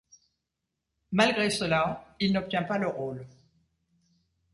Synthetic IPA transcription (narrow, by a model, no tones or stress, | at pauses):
malɡʁesəlailnɔp̚t̪jɛ̃paləʁol